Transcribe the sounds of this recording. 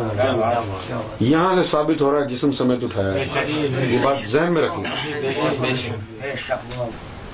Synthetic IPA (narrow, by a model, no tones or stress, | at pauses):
jɐɦãsesaːbɪt̪ɦoːɾaːɦɛd͡ʒɪsmsɐmeːt̪̬ʊʈʰaːjaɦɛjobaːt̪zɛɦnmẽɾɐkʰĩɡa